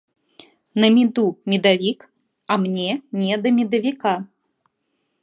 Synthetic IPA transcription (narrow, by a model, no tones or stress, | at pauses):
nɐmʲid̪umʲid̪avʲik | ɐmnʲɛnʲɛd̪ɐmʲid̪ɐvʲika